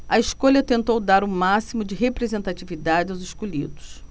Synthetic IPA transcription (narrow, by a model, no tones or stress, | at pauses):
ɐiskoʎɐt̪ẽnt̪owd̪aɾʊmasimʊd͡ʒɪɦepɾezẽnt̪at͡ʃivid̪ad͡ʒɪawzɪʃkoʎḭd̪ʊs